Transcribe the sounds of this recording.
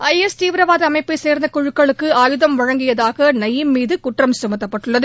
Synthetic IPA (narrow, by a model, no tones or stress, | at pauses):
ɐjɛst̪iːʋɪɾɐʋaːðɐɐmɐɪpːɯseːɾnd̪ɐkɔɻɯkːɐɭɯkːɯaːjɯðɐmʋɐɻɐŋɡɪjɐðaːɣɐnɐjːɯmmiːðɯkʊʈrɐmsʊmɐt̪ːɐpːɐʈːɯɭːɐðɯ